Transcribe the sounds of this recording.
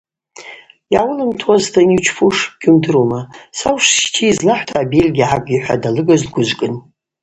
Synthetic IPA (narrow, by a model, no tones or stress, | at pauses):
jawʊlɨmtʰwaztʰanit͡ʃʰfʰuʂbɡ̥ʲʊmdɨɾumasawʂstʰiːzlaħʷtʰaːbelɡʲiʕakʼiħʷᶣa̰dalɨɡazdɡʷʊʒʷkʼɨn